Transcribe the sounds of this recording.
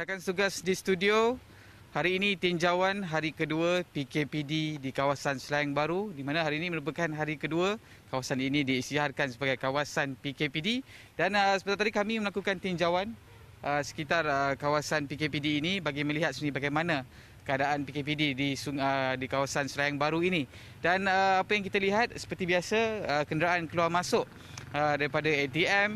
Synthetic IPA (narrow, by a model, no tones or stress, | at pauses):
akanst̪uɡasdist̪udio | haɾiːnit̪iɲd͡ʒawanɦaɾikəduəpikepididikawasansəlajaŋbaɾudimãnãɦaɾiːnĩmə̃ɾup̬əkanɦaɾikəduə | kawasaninĩdiːsiɦarkansəbaɡajkawasanpikepidi | danəsə̥pət̪at̪adikamĩməlakukant̪iɲd͡ʒawan | ʔəsə̥kit̪arəkawasanpikepidiːnĩbaɡimə̃liɦat̪̚sunibaɡajmanã | kəadaʔanpikep̬ididisuədikawasansəlajaŋbaɾuinĩ | danəapəjaŋkit̪aliɦat̪̚sə̥pərt̪ibiasaəkəndəɾaʔankəluarmãsʊʔ | ədaɾipadaet̪iɛm